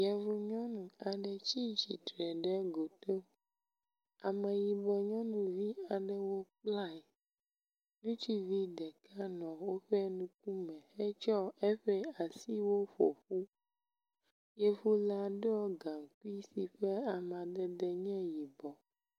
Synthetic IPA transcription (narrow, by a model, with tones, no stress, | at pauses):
jɛ˨vu˨ɲɔ̃˦nũ˨a˨ɖɛ˨t͡ʃi˦d͡ʒi˨t̪ɾɛ˨ɖɛ˦ɡo˨t̪o˦ | a˨mɛ̃˨ji˨bɔ˨ɲɔ̃˦nũ˨vi˦a˨ɖɛ˦wo˦k͡pla˦ɛ˨ | nũ˦t͡ʃi˦vi˦ɖɛ˨ka˦nɔ̃˨wo˦ɸe˦nũ˦k̚u˦mɛ̃˨xe˦t͡ʃɔ˦ɛ˦ɸɛ˦a˨si˦wo˦ɸɔ̰˨ɸu˦ | je˦vu˦la˨ɖɔ˦ɡa˨ŋ˨ku˦i˦si˨ɸe˦a˨m˨a˨d̪ɛ˨d̪ɛ˨ɲɛ̃˦ji˨bɔ˨